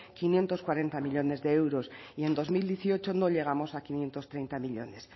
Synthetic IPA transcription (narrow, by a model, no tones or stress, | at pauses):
kinje̞nt̪o̞skwaɾe̞nt̪amiʎo̞ne̞zðe̞ewɾo̞sie̞nd̪o̞zmild̪jeθio̞t͡ʃono̞ʎe̞ɣ̞amo̞sakinje̞nt̪o̞st̪ɾejnt̪amiʎo̞̰ne̞s